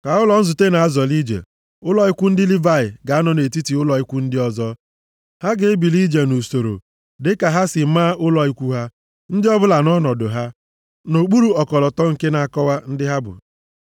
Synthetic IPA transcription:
ka˨ʊ˦lɔ˨n̩˦zʊ˨te˦na˨a˦zɔ˨li˦d͡ʒḛ˨ | ʊ˦lɔ˦i˦kʷu˦n̩˦dɪ˦li˦va˦ɪ˨ɡa˨a˦nɔ˨ne˨ti˦ti˨ʊ˦lɔ˨i˦kʷu˦n̩˦dɪ˦ɔ˨zɔ˦ | ha˦ɡɪ˦bi˨li˦d͡ʒe˨no˨so˨ɾo̰˨ | dɪ˦ka˨ɦa˦sɪ˨˦maː˦ʔʊ˦lɔ˨i˦kʷu˦ɦa˦ | n̩˦dɪ˦ɔ˦bʊ˦la˨nɔ˦nɔ˨dʊ˨ɦa˦ | no˨ɡ͡bu˦ɾu˦ɔ˨kɔ˨lɔ˨tɔ˦ŋ̩˨ke˦na˨a˨kɔ˦wa˦n̩˦dɪ˦ɦa˦bʊ̰˨

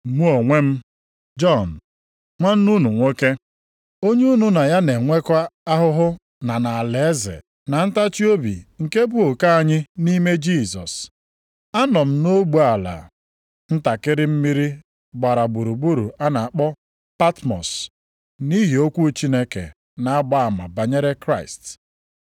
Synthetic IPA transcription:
mu˦o˨ŋʷe˦m̩˦ | d͡ʒɔ˦˨n̩˨ | ŋʷa˦n̩˦nu˦nu˨ŋʷo˦ke˦ | o˦ɲe˦u˦nu˨na˨ja˦ne˨ŋʷe˦kʷa˦a˦ɦʊ˦ɦʊ˦ | na˨na˨le˨˦zɪ̰˨ | na˨n̩˦ta˦t͡ʃi˦o˦bḭ˨ŋ̩˨ke˦bu˦o˨ka˦a˦˨ɲɪ˦ni˦me˦d͡ʒi˦˨sɔ̰˨s | a˦nɔ˨m̩˦no˦ɡ͡bu˨a˨la̰˨ | n̩˦ta˨kɪ˦ɾɪ˦m̩˦mi˦ɾi˦ | ɡ͡ba˨ɾa˨bu˨ɾu˨bu˦ɾu˨a˦na˨a˨k͡pɔ˦ | pa˦tmɔ̰˨s | ni˦ɦi˨o˦kʷu˦t͡ʃi˦ne˦kḛ˨ | na˨a˦ɡ͡ba˦a˨ma̰˨ba˨ɲe˦ɾe˦kɾa˦ɪ̰˨st

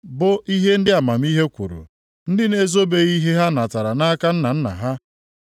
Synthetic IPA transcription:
bʊ˦i˦ɦe˦n̩˦dɪ˦a˨ma˨m̩˦i˦ɦe˦kʷṵ˨ɾṵ˨ | n̩˦dɪ˦ne˦zo˦be˦ɣi˦ɦe˦ɦa˦na˨ta˨ɾa˨na˦a˦ka˦n̩˦na˨n̩˦na̰˨ɦa˦

